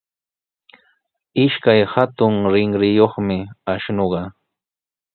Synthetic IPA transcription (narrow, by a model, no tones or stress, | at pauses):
ɪʃkajhat̪ʊŋɾɪŋɾɪjoχmɪaʃnoɢɑ